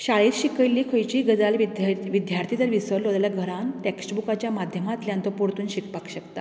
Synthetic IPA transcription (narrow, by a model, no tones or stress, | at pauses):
ɕaɭiːɾɕikəjlːiːkʰəjt͡ɕiːɡəd͡zalʋiʋid̪jaɾt̪ʰit̪əɾʋisəɾlod̪aljaɡʱəɾanteksʈbukat͡ɕjamad̪ʱjəmat̪ljãnt̪ɔpuɾt̪uːnɕikpakɕəkt̪a̰